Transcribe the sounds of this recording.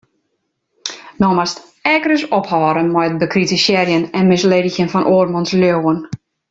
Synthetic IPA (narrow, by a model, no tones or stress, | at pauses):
nɔmast | ɛkərəsɔphɔːɾənmɛjət̚bəkritisjɛrjənɛnmɪsleːdəxjənfɔnʔoːrmɔnsljoːwən